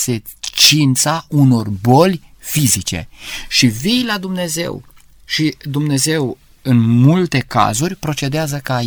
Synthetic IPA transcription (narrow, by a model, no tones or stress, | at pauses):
se | t͡ʃint̪sauno̞rbo̞lʲ | fizit͡ʃe̞̰ʃivijlad̪umne̞ze̞̰w | ʃid̪umne̞ze̞w | ɨnmult̪e̞ka̰zurʲpɾo̞t͡ʃe̞d̪eazəkəa